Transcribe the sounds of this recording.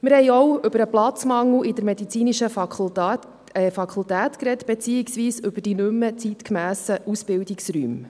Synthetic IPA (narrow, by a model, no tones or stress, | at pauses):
mɪɾhɛɪɔwʏbəɾəplɑt͡smɑŋl̩ɪd̥əɾmɛd̪it͡siːniʃə | ɛfɑkʰultæːtkɾɛtb̥ɛt͡siːiksʋiːsʏb̥əd̥inømːət͡sit̪kmæːsəʔusb̥ɪldiksɾy̰ːm